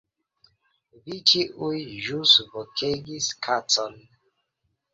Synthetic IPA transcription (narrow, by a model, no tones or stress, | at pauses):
vit͡ʃiʔujʒusvokʰeɡiskʰat͡sɔn